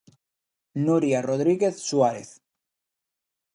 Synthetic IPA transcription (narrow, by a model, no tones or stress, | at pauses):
nuɾjaroðɾiɣeθsuaɾeθ